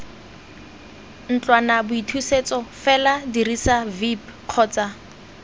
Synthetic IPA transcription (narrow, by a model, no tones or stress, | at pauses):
n̩t͡ɬwanabʊitʰuset͡sɔfɛladirisavipq͡χʰɔːt͡sa